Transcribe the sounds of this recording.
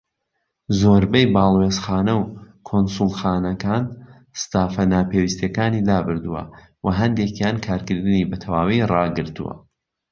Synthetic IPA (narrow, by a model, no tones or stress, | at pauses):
zoːɾbɐjbɑːlˠwezxaːnɐw | kʰonsulˠxaːnɐkaːn | st̪aːfɐnaːpewist̪jekaːniːlaːbɨɾd̪uwɐ̰ | wʔɐɦɐnd̪ekjaːnkʰaːɾkɨɾd̪ɨniːbɐt̪ʰɐwaːwirɑɡɨɾt̪ṵwɐ̰